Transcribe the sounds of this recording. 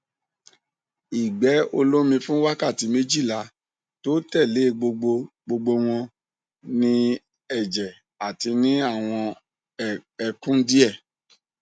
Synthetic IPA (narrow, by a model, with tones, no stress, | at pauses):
i˨ɡ͡bɛ˨˦o˧lo˦mĩ˧fũ˦wa˦ka˦˨ti˧˦mẽ˦d͡ʒi˦˨la˨˦ | to˦tɛ˦˨le˨˦˧ɡ͡bo˧ɡ͡bo˧ | ɡ͡bo˧ɡ͡bo˧w̃ɔ̃˧ | nĩ˧ | ɛ˨d͡ʒɛ˨ | a˨ti˧nĩ˦a˦˨w̃ɔ̃˧ | ɛ˨kũ˦di˦ɛ˦˨